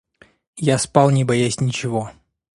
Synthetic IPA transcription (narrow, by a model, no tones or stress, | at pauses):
jaspalˠnʲɪbɐjasʲnʲɪt͡ɕɪvo